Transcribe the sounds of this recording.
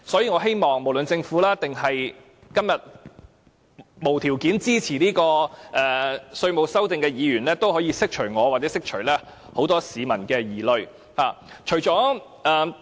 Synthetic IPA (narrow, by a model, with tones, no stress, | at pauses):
sɔː˨˥jiː˧ŋɔː˨˧˥ɦe˥jmɔː˨ŋmo˨˩wlɵ˨nt͡sɪ˧ŋfuː˨˥laː˥t̪ɪ˨ŋɦɐ˨j | kɐ˥mjɐ˨t̚ | mo˨˩wt̪ʰiː˨˩wkiː˨˥nt͡siː˥t͡sʰiː˨˩niː˥kɔː˧ʔɛː˨sɵ˧ɥmo˨wsɐ˥wt͡sɪ˧ŋkɛː˧jiː˨˧ɥyː˨˩nlɛː˥t̪o˥whɔː˨˥jiː˧sɪ˥k̚t͡ʃʰɵ˨˩ɥŋɔː˨˧waː˨˩t͡sɛ˨˥sɪ˥k̚t͡ʃʰɵ˨˩lɛː˥ | ho˨˧˥wt̪ɔː˥siː˨˧mɐ˨˩nkɛː˧jiː˨˩lɵ˧ɥ | haː˨t͡ʃʰɵ˨˩t͡ʃɔː˨˥ | ɛː˧